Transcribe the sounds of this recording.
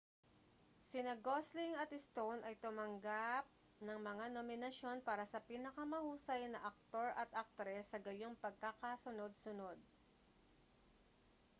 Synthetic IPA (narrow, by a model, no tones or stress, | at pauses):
sɪnɐɡoslɪŋɐt̪ɛst̪o̞wnʔɐjt̪ʊmɐŋɡap̚ | nɐŋmɐŋanomɪnɐʃo̞npaːɾɐsɐpiːnɐkɐmɐhuːsɐjnɐʔɐk̚t̪o̞ɹɐt̪ʔɐk̚t̪ɾɛsːɐɡɐjoŋpɐɡ̚kakasʊno̞d̪̚sʊno̞d̪̚